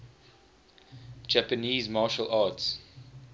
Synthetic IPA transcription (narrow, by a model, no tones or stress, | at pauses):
d͡ʒæpəniːzmɑːʃəlʔɑːts